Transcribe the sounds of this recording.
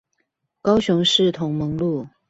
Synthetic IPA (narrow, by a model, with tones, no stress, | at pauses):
kɑ˥ʊɕʊ˧˥ŋʂɻ̩˥˩t̪ʰʊ˧˥ŋmɤ˧˥ŋlu˥˩